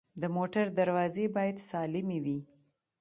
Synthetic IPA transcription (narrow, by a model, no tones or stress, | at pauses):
d̪əmoʈaɾd̪aɾwɑzebɑjad̪sɑlɪmewi